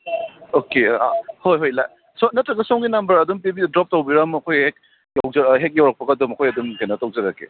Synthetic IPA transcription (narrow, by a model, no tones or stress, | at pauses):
okea̰hojɦojla̰ | sɔnɐtɾɐɡɐsɔŋɡinambɐɾɐdumpibidɾɔp̚tawbiɾamɐkʰojhek̚ | jawzɐɦek̚jawɾak̚pɐɡɐdumɐkʰojɐdumɡenɐtawzɐɾakːḛ